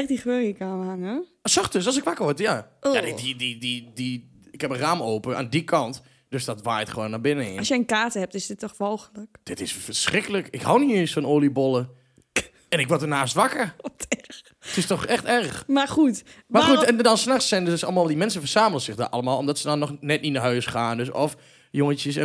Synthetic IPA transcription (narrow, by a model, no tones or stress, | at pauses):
ɛxdixʋøəkaʋanə | sɔxtøsɔlˠs̬ɪkʋakəɹʋɔɹtjajaddidididi | ɪkhɛpəraːmoːpəa̰ːndikʰɑnt | d̥øsdɔtʋaːjtχəʋoːnːabɪnəɪ̰ɔsjəənkaːtəhɛp̚tɪsdɪtːɔxʋolˠxələkd̥ɪtɪsfəɹsrɪkələkɪkhawniəsfɔnoːlibolˠə | ɛnɪkʋɔtənaːstʋakərɔtr | tɪstɔxɛxtɛrxmaxutmauɛndɔnsnaxsɛnøsɑlˠmalˠdimɛnsəfərsaːməlˠəsɪxda̰ʔɑlˠəmaːlˠɔmdɔtsədɔnːɔxnɛt̚nitnaɦœːsχaːndøsɔf | joŋəntjəs